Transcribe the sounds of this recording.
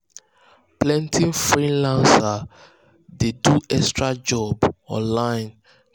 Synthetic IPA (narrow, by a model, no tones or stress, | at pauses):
plɛ̃ntʰĩnfɹĩlãnsa | deduɛkstɹad͡ʒɔbɔ̰̃nlãɪ̃n